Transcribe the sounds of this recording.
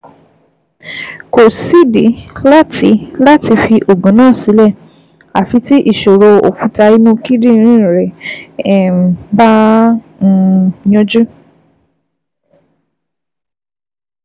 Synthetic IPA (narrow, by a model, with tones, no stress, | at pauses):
ko˨si˦di˨˦la˦tʰi˧˦la˦ti˧fi˧ʔo˨ɡũ˨˦nãː˦˨si˨˦lɛ˦˨ | a˨fi˧ti˦ʔi˦˨ʃo˨ɾo˧o̰˨kũ˨˦ta˧i˧nũ˦ki˦dĩ˦˧ɾ̃ĩ˦˨ɾɛ˨ | bã˦˧ | jɔ̃˦d͡ʒu˦